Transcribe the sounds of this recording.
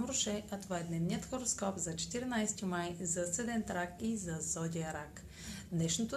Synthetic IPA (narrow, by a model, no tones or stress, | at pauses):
mɾʊʃɛʔɐt̪ovaɛd̪nɛvnijət̪xoɾoskɔpzɐt͡ʃɛ̥t̪iɾnajst̪imajzɐsɛd̪ɛnt̪ɾakizɐzɔd̪ʲiəɾak | d̪nɛʃnot̪o